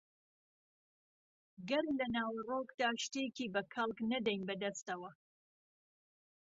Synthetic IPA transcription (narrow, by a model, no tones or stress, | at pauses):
ɡɐɾmlɐnaːwɐroːkd̪aːʃt̪ekiːbɐkʰɐlˠknɐd̪ɛjnbɐd̪ɐst̪ɐwɐ